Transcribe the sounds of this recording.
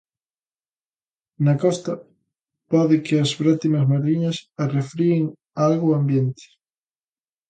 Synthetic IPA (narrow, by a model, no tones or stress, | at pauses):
nɐkɔst̪ɐ | pɔðɪkɪɐzβɾat̪imɐzmaɾliɲɐsɐrefɾiɪŋ | alɣʊambjent̪ɪ̥